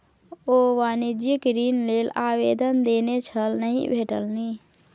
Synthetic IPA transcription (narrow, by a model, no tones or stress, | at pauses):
oːʋaːnid͡ʒəkeɾiːnleːlaːweːd̪ənd̪eːnet͡ʃʰəlnəɦḭ̃bʱeːʈə̰lni